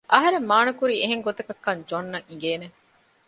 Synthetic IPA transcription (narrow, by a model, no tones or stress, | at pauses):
ʔɐɦɐɾemːaːnɐkuɾiːeɦeŋɡot̪ɐkɐkːɐɲd͡ʒonːɐŋiŋ̆ɡeːne